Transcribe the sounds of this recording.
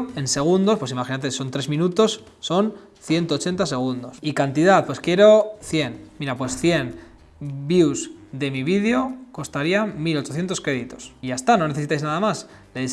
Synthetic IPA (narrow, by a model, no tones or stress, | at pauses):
e̞nse̞ɣ̞und̪o̞spwe̞simaxinat̪̬eso̞nt̪ɾe̞zmĩnut̪o̞sː | o̞n | θje̞nt̪ot͡ʃent̪ase̞ɣ̞und̪o̞sikant̪iðaθpwe̞skje̞ɾo̞θje̞nmiɾapwe̞sθje̞n | bjuzðe̞miβiðjo̞ko̞st̪aɾiamilo̞t͡ʃo̞θje̞nt̪okɾe̞ðit̪o̞̥siʝast̪ano̞ne̞θeit̪ajznaðamas | leði